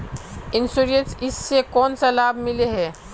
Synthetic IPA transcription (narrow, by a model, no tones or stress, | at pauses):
ɪnsuɾiə̃sɪsːekɔːnsalaːbʱmɪleɦɛː